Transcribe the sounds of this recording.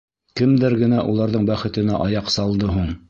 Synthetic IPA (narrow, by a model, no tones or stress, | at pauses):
kɘ̆md̪æɾɡɘ̆næʔulˠɑɾðɤɴbæχɘ̆t̪ɘ̆næʔɑjɑqsɑlˠd̪ɤɦuɴ